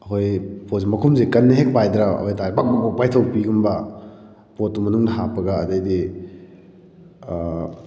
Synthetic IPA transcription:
ɐɦojpʰozimɐkʰumzekɐnːeɦek̚pajd̪ɾaɐ̰hojtabak̚bak̚bak̚pajtʰɐwpiɡumbɐ | potːumɐnuŋnɐɦapɐɡɐːdɐjdi

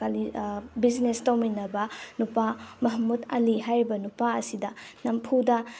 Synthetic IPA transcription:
alibiznestawminɐbɐnupamɐɦmudɐliɦajɾibɐnupaɐsidɐnɐmpʰudɐ

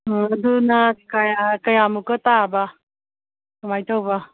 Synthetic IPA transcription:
ɐdunɐkajakɐjamukɐtabɐ | tumajtawbɐ

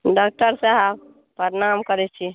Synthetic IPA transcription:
ɖak̚ʈəɾsaɦəb | pəɾenamkəɾɛt͡ʃʰi

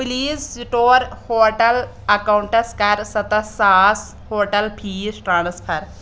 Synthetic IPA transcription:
pliːzsiʈoːɾhoːʈɐl | ɐkawuɳʈɐskɐɾsɐt̪ɐsaːs | hoːɾʈɐlpʰiːsʈɾaːɳɐspʰɐɾ

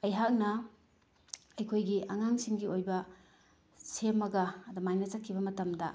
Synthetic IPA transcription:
ɐjɦak̚nɐ | ɐjkʰojɡiʔɐŋaŋsiŋɡiojbɐ | semːɐɡɐːdɐmajnɐt͡ʃɐkʰːibɐmɐtɐmdɐ

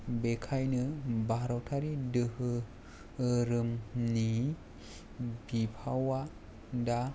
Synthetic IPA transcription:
bekʰajnɯbaɾɔwtʰaɾidɯɦɯ | ɾɯmni | bipʰawa | da

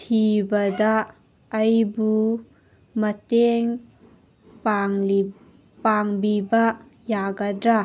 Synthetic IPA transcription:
tʰibɐdɐː | jbu | mɐteŋ | l | paŋbibɐ | jaɡɐdɾa

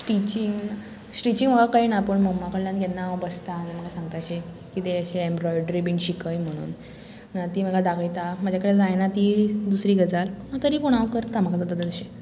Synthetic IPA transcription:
ʈit͡ɕiŋɡ | sʈit͡ɕiŋɡm̤əɡakaɦiːnapəɳməmːakəɭljãnɡenːabəst̪anaməɡasãŋɡ̚t̪ajɕe | kiːt̪eəɕeembɾɔjɖɾibiɳɕikəjm̤əɽ̃ṵːn | nat̪iːm̤əɡad̪aɡəjt̪am̤əd͡ʑʱjakəɽed͡zajnat̪id̪usɾiːɡəd͡zalunat̪əɾiːpuɽ̃aʋkəɾt̪am̤əɡad͡zat̪at̪ət̪əɕe

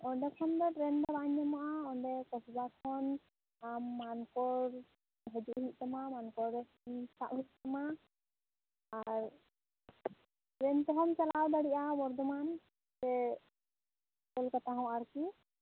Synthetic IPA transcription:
ɔɳɖɛkʰɔnd̪ɔʈɾɛnbaɾaɲːɛmaʔaɔɳɖɛkɔsbakʰɔn | amːankɔɾ | ɦɛd͡ʒuʔɦic̚ˀt̪ɔmamankɔɾɛ | sʰa̰ʔɦit̚ˀt̪ɔma | ɾ | ɾɛnt̪ɔɦɔnt͡ʃalawd̪aɽiʔabɔɾd̪ɔman | sɛ | kɔlkat̪aɦɔ̃waɾki

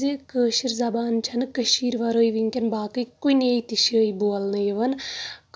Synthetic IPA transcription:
ikəːʃiɾzɐbaːnt͡ʃʰɐnɨkɐʃiːɾʋɐɾoːjʋiŋkʲɐnbaːkɨjkuineːit̪iʃəːiboːlnɨiʋɐnk

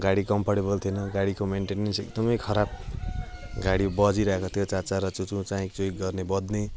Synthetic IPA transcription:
ɡaɽikʌmpʰaʈebʌlt̪ʰjonʌɡaɽikomenʈenensek̚d̪ʌmʌjkʰʌɾab̚ | ɡaɽibʌd͡ziɾʌɦekot̪ʰjot͡sat͡saɾʌt͡sut͡sũt͡sãĩt͡sojk̚ɡʌrnebʌd̪ne

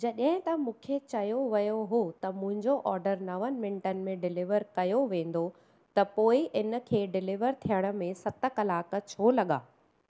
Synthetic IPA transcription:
d͡ʑɐɗɦɪ̃t̪ɐmũːkʰet͡ɕɐjoʋɐjoɦot̪ɐmʊ̃ɦɪ̃ɲd͡ʑoʔɔːɾɖəɾnɐʋənɪ̆mɪ̃ɳʈənɪ̆mẽɖɪlɪʋəɾkɐjoʋẽːn̆d̪o | t̪ɐpoːɪʔɪnə̆kʰeːɖɪlɪʋəɾt̪ʰijəɽ̃ə̆mẽsɐt̪ə̆kɐlaːk̆t͡ɕʰoːlɐɠa̰ː

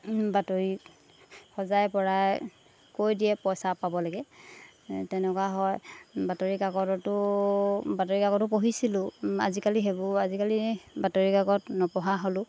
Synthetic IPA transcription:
batoɹi | xɔzajpɔɹaj | kojdijɛpɔjsapabɔlaɡɛ | tɛnɛkwaɦɔjbatoɹikaɡɔtɔtʊ | batoɹikaɡɔtʊpoɦisilʊ̃a̰zikaliɦebɔazikalibatoɹikaɡɔtnɔpɔɦaɦolʊ̃

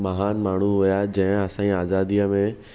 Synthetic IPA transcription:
mɐɦaːnmaːɽ̤̃uɦʊjad͡ʑɐ̃ɦɪ̃ɐsãiaːzaːd̪iːəmẽ

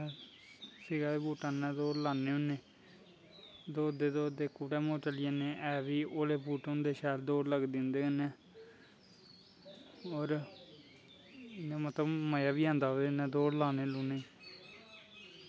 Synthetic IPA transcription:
sɪɡaːebuːʈãːnɛ̃ːd̪oːɽlaːneːʊneː | d̪oːd̪eːd̪oːd̪eːkuːɽɛ̃ːmoːt͡ʃəlɪanẽːʔɛːʋiːoːleːbuːʈʊ̃nd̪eːʃaːld̪oːɽləɡd̪iːʊ̃nd̪eːənɛː | oːɾ | ɪnẽːmət̪ləbməjaːbiːãːnd̪aːoenɛ̃ːd̪oːɽlaːneːluːneː

